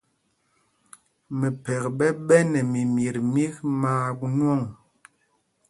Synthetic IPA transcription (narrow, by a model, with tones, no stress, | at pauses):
mɛ˨pɛ˨kɓɛ˦ɓɛ˦nɛ˨mi˨mi˨ɾmi˦kmaː˦ɡu˦nwɔ˦˨ŋ